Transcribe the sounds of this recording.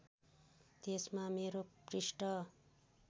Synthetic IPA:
t̪esmameɾoprisʈʌ

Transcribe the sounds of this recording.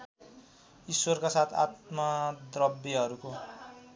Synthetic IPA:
iswʌrkasat̪ʰa̰t̪mʌd̪rʌbjeɦʌɾuko

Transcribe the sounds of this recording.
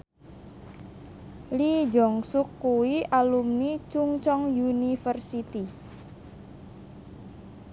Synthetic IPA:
lid͡ʒɔŋsʊkːuwiʔalumnit͡ʃuŋt͡ʃɔŋjunifərsit̪i

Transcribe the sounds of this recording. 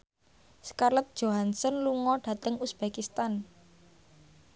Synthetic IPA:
skarlət̪̚d̥ʒ̥oɦansɔnluŋɔɖ̥ä̤t̪əŋusb̥ekist̪an

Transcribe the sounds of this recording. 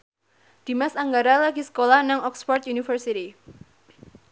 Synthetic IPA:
d̪̥i̤masaŋɡaɾalaɡisə̥kolahnaŋɔksfɔrt̪junifərsit̪i

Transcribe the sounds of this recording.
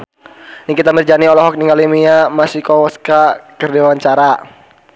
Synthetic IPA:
nikit̪amərd͡ʒaniɔlɔɦɔk̚niŋalimiamasikɔwɔskakərdewaɲt͡ʃaɾa

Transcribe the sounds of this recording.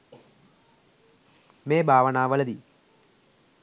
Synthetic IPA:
meːbʱaːʋɐnaːʋɐlɐd̪i

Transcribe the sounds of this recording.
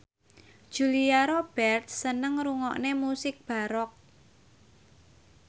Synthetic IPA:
d̥ʒ̥uliaɾob̥ɛrt̪̚sənəŋɾuŋɔ̰ʔnemusɪk̚b̥a̤ɾɔk̚

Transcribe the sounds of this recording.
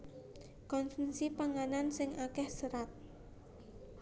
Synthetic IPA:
kɔnsənsipaŋanansɪŋʔakɛhsəɾat̪̚

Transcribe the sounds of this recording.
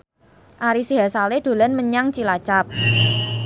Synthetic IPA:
ʔaɾisiɦasaleɖ̥o̤lanməɲaŋt͡ʃilat͡ʃap̚

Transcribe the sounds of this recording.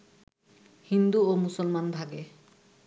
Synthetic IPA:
hind̪uomusɔlmanbʱaɡe

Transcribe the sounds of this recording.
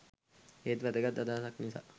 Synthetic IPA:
eːt̪ʋæd̪əɡat̪ːad̪aːsaknisa̰ː

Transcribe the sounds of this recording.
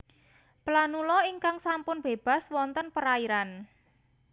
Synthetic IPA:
planulɔiŋkaŋsampʊnb̥eb̥a̤swɔnt̪ənpəɾaiɾan

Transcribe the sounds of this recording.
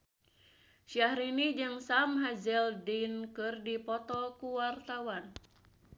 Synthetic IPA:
ʃiahɾinid͡ʒɨŋsamɦazɛldinkɨrdipɔt̪ɔkuwart̪awan

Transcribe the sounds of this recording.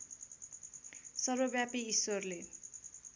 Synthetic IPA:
sʌrobjapiisorle

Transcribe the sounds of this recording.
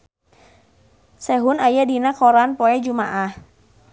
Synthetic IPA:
sɛɦʊnajadinakɔɾanpɔɛd͡ʒumaʔah

